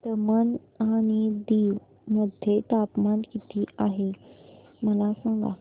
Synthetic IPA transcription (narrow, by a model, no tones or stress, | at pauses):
t̪əman | añid̪iːʋ | məd̪ʱjet̪apmankit̪iaɦe | məlasãŋɡa̰